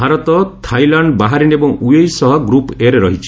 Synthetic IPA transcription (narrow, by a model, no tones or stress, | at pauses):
bʱaɾɔt̪ɔtt̪ʰajlaɳɖbaɦaɾinebɔŋuejsɔɦɔɡɾupeɾeɾɔɦit͡ʃʰi̥